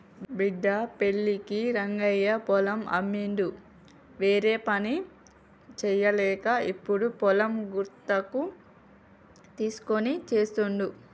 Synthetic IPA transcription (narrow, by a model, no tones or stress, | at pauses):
biɖ̪ːɐpe̞ɭːikiɾɐŋɡɐjɐpɔlɐmɐ̰mːiɳɖ̪u | ʋeːɾe̞ːpɐni | t͡ʃɛjːɐlɛːkɐipːuɽupɔlɐmɡuɾt̪ːɐku | t̪iːsu̥ko̞nit͡ʃe̞ːst̪uɳɖu